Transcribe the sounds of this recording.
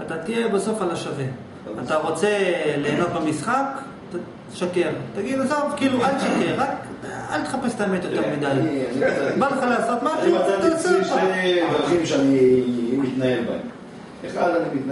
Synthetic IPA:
at̪at̪ijebaso̞falaʃave | at̪aʁo̞t͡se̞le̞ːno̞t̪̚bemisχak | t̪a | ʃake̞ʁt̪aɡidzovkiːlualʃakeʁak | a̰lt̪e̥χapese̥t̪aemet̪jo̞t̪eʁmid̪ajnibaleχalaːso̞t̪maiaat̪seevaχimʃeanimit̪naelbaem | eχalanimit̪

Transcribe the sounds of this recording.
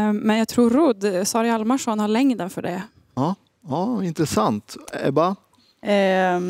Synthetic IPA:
mɛnjɑːɡ̚t̪ʰɾuːɾɾʊd̪sɑːɾɪalmaʂɔnhaɭɛŋd̪ənfœɖɛ | ɑː | ɑɪnt̪ɾɛsant̪ɛ̰ɾbɑ

